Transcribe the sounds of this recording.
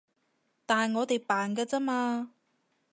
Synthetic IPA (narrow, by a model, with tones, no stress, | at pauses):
t̪aː˨˩nŋɔː˨˧t̪e˨jpaː˨˩nkaː˧t͡saː˥maː˧